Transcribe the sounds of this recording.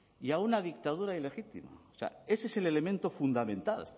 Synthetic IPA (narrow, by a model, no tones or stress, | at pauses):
iaunaðik̚t̪aðuɾaile̞xit̪ḭma̰sea̰e̞sese̞le̞le̞mẽnt̪o̞fund̪amẽ̞nt̪al